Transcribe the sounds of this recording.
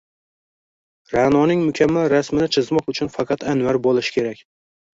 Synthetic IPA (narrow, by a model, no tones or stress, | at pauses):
ɾanɒnɪŋmʊkʲʰamːalɾasmɪnɪt͡ʃʰɪzmɒqʊt͡ʃʰʊnfɑqʰɑt̪ʰanvaɾbolɪʃɪ̥kʲʰe̞ɾakʲ